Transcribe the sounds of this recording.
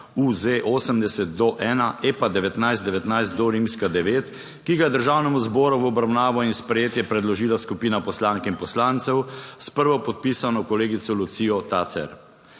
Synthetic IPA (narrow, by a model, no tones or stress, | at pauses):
uzeʔoːsəmd̪ɛsɛt̪̚d̪ɔʔɛːnaʔepad̪ɛʋɛt̪najszt̪d̪ɛʋɛt̪najst̪̚d̪ɔɾiːmskad̪ɛʋeːt̪ | kiɡajɛd̪əɾʒaːwnɛmuzbɔːɾuwɔbɾawnaːʋɔinspɾɛjeːt̪jɛpɾɛd̪lɔʒiːlaskupiːnapɔslaːŋkinpɔslant̪sɛwspəɾʋɔpɔt̪̚pisanɔkɔleːɡit̪sɔlut̪siːɔt̪aːt̪sɛ̰ɾ